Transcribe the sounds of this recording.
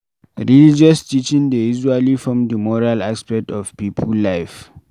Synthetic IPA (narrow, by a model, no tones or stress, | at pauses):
ɹilid͡ʒɔstit͡ʃĩŋdəizualifɹɔ̃mdəmɔɹalaspɛk̚tɔvpipʰulːajf